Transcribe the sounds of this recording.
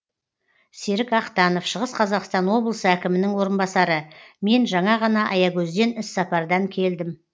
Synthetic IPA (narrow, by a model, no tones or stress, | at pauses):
se̞ɾɪkɑqt̪ɑno̞fʃəʁəsqʰɑzɑqst̪ɑnwo̞blˠəsəækʲɪmɪnɪŋwo̞ɾənbɑsɑɾəme̞nʒɑɴɑʁɑnɑʔɑjɑkʲʰɵzd̪e̞nɪsːɑpɑɾd̪ɑŋkʲʰe̞ld̪ɪm